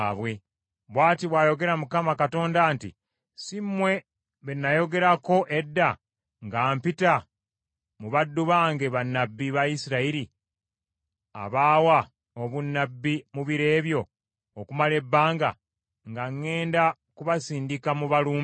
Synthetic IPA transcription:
βwe̞ | βwaːtiβwaːjo̞ɡe̞ɾamukamakato̞ːndaːntḭ | simmːwe̞ | βenːajo̞ɡe̞ɾako̞ʔe̞dːa | ŋɡaːmpita | muβadːuβaːŋɡe̞βanːabːiβajisiɾaiɾi | a̰βaːwa | oβunːabːimuβiɾe̞ːβjo̞ː | kumale̞bːaːŋɡa̰ | ŋɡaŋːe̞ːnda | kuβasiːndikamuβaluːm

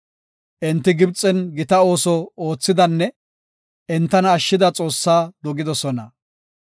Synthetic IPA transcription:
ʔɛnt̪ːɪɡɪbt͡sʼːɛnɡɪt̪ɐo̞ːsɔo̞ːt͡sːɪd̪ɐnːɛ | ʔɛnt̪ːɐnɐːʃːɪd̪ɐt͡sʼo̞ːsːaːd̪ɔɡɪd̪ɔsɔnɐ

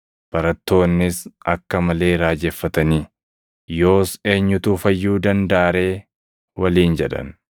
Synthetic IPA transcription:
b̥ɐɾɐt̪ːo̞ːnːɪsɐkːɐmɐle̞ːɾaːd͡ʒɛfːɐt̪ɐniː | jo̞ːse̞ːɲːʊt̪uːfɐjːuːd̪ɐnd̪aːɾe̞ː | wɐliːnd͡ʒɛᶑɐ̰n

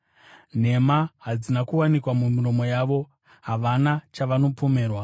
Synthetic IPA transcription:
n̤e̞maɦad͡zinakuwanikwamumiro̞mo̞jaːʋo̞ | ɦaʋanat͡ʃaʋano̞po̞me̞ːrwa

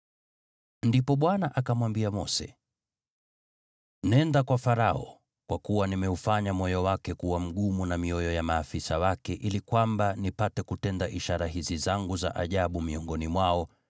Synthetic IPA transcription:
ndipɔɓwanaʔakamwambiamɔsɛ̰ | nɛndakwafaɾaɔ | kwakuwanimɛufaɲamɔjɔwakɛkuwam̩ɠumunamiɔjɔjamaːfisawakɛʔilikwambanipatɛkutɛndaʔiʃaɾaɦizizaŋɡuza̰ʔa̰ʄaɓumiɔŋɡɔnimwaɔ

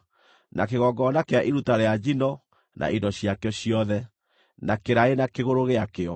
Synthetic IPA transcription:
nʔa̰keɣɔɡɔnakeaʔiɾutaɾead͡ʒinɔ | nʔa̰ʔidɔɕjakeɔɕiɔðɛ | nakeɾaenakeɣoɾoɣeakeɔ

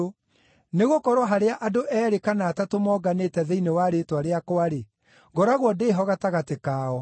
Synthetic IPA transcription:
neɣokɔɾwaɦaɾeaʔadoʔɛːɾekanaːtatomɔːɡanetɛðeinewaɾetwaɾeakwaɾe | ɡɔɾaɣwɔdeːɦɔɣataɣatekaːɔ

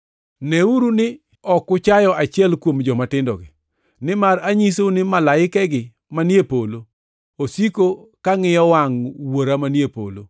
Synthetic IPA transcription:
nɛuɾunɪ | ɔkʊt͡ʃajɔʔat͡ʃɪɛlkwomd͡ʒɔmatɪndɔ̰ɡɪ̰ | nɪmaɾaɲisonɪmalaɪkɛɡɪ | manjepolo | osikokaŋɪjɔwaŋwoɾamanjepo̰lo

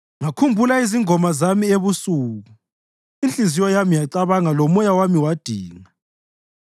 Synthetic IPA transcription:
ŋakʰumbʱulaiziŋɔmazamieβusuːɣu | int͡ɬʼizijɔjamijaǀaβaŋalɔmɔjawamiwad̥ʱiːŋa

